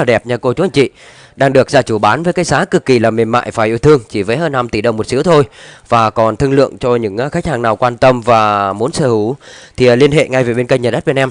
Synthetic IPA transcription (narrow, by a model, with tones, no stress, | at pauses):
laː˨˩ɗɛ˨˩p̚ɲaː˧˩ko˧t͡ɕu˨˦a˧˩ŋt͡ɕḭ˧˨ | ɗaː˧ŋɗɨ˨˩ək̚zaː˧t͡ɕu˧˩ɓaː˨˦nvə˨˦jkaː˨˦jzaː˨˦kɨ˨˩kːi˨˩laː˨˩mi˨˩ənma̰ː˧˨jfaː˧˩jʔi˧wt̪ʰɨ˧əŋt͡ɕi˧˩vəː˨˦jhəː˧nːa˧mt̪i˧˩ɗə˨˧˩wŋ͡mmo˨˩t̚si˨˦əwt̪ʰo˧jvaː˨˩kɔ˨˩nt̪ʰɨ˧əŋlɨ̰˧˨əŋt͡ɕɔ˧ɲɨ̰˧˥ŋː˧xa˦˥k̚haː˨˩ŋnaː˨˩wkwaː˧nt̪ə˧mvaː˨˩mu˨˦ənsəː˧˩hu˧˩t̪ʰi˨˩˨li˧ənɦḛ˧˨ŋa˧jve˨˩ɓe˧nkə˧ŋɲaə˨˩ɗt̚ɓe˧ʔɛ˧m